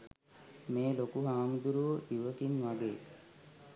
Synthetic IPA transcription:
meːlokuɦaːmud̪uɾuʋəʔiʋəkinʋaɡeː

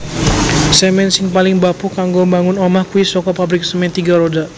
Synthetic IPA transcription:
səmɛnsɪŋpalɪŋbapukaŋɡombaŋʊnɔmahkuisɔkɔpabɾɪk̚səmɛnt̪iɡaɾoda

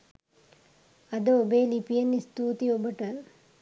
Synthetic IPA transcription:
ɐd̪ɐobeːlipijɐnːist̪uːt̪iobɐʈɐ

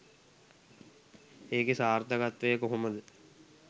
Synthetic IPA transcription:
eːkesaːɾt̪ɐɡat̪ʋɐjəkoɦomɐd̪ɨ

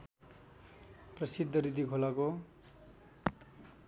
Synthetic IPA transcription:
prʌsid̪ʱːʌɾid̪ikʰolako

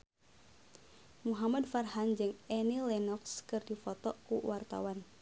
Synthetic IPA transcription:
muɦamadfarɦand͡ʒɨŋɛnilɛnɔkskɨrdifɔt̪ɔkuwart̪a̰wan

